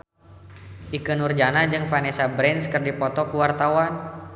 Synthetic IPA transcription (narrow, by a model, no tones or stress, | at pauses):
ʔikənurd͡ʒanad͡ʒɨŋfanɛsabɾɛnskɨrdipɔt̪ɔkuwart̪awan